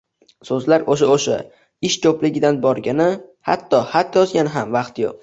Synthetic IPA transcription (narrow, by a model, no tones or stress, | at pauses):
sɵzlaɾoʃaoʃa̰ | ɪʃkʰoplɪɡʲɪd̪anbɒɾɡʲanɪha̰t̪ʰːɒhat̪jɒzɡʲanɪɦamvɑqt̪jo̰q̚